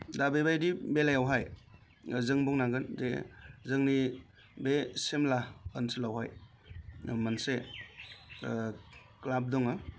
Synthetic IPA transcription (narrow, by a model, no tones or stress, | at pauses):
dabebajdibelajawɦaj | zɯŋbɔŋnaɡɯnzḛzɯŋni | besemlaənsɯlawɦaj | manse | klab̚dɔŋɯ